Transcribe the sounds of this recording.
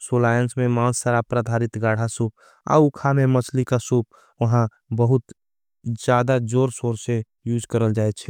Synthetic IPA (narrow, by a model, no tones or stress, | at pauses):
soːlaːjənsmẽmãːsːaɾapɾad̪ʱaːɾɪt̪ɡaːɽ̤asuːp̚ | a̰ukʰamẽmət͡ʃʰlikasuːp̚ | ʋəɦã | bəɦʊt̪ | d͡ʒjaːd̪ad͡ʒoːɾsoːɾse | juːd͡ʒkəɾəld͡ʒaːɛt͡ʃʰɛ